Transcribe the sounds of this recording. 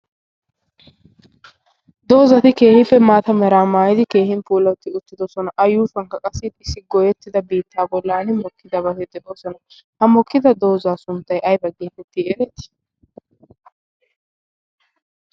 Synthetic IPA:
d̪o̞ːzɐt̪ɪke̞ːhɪfɛmaːt̪ɐmɛɾaːmaːjɪd̪ɪke̞ːhɪnpuːlɐt̪ːɪʊt̪ːɪd̪ɔsɔnɐʔɐjuːfɐŋkɐkʼɐsɪt̪ɪsɪɡɔjɛt̪ːɪd̪ɐbiːt̪ːaːbɔlːaːnɪmɔkʰːɪd̪ɐbɐhɛd̪ɪd̪ɔsɔnɐ | hɐmɔkːɪd̪ɐd̪o̞ːzaːsʊnt̪ːɐjʔɐjbɐɡeːt̪ɛt̪ːɪɛɾɛt̪ːɪ̥

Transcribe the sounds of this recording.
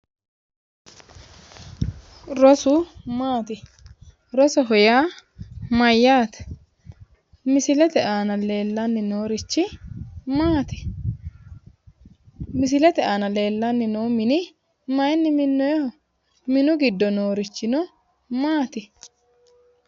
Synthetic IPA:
ɾɔsʊmaːt̪ɪ | ɾɔsɔɦɔjaː | mɐjːaːt̪ɛ̥ | mɪsɪlɛt̪ɛʔaːnɐle̞ːlːanːɪnoːɾɪt͡ʃːɪmaːt̪ɪ̥ | mɪs̬ɪlɛt̪ɛʔaːnɐle̞ːlːanːɪnoːmɪnɪ | mɐjnːɪmɪnːɔj | mɪnʊɡɪd̪ːɔnoːɾɪt͡ʃːɪnɔ | maːt̪ɪ

